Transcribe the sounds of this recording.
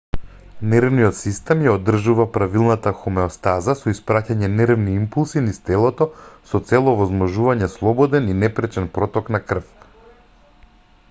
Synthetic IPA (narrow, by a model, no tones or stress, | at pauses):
nɛɾvnijɔt̪sist̪ɛmjaod̪r̩ʒuvapɾavilˠnat̪axumɛɔst̪azasɔispɾacaɲɛnɛɾvniimpulˠsinist̪ɛlˠɔt̪ɔsɔt̪sɛlˠɔvɔzmɔʒuvaɲɛslˠɔbɔd̪ɛninɛpɾɛt͡ʃɛnpɾɔt̪ɔknakr̩f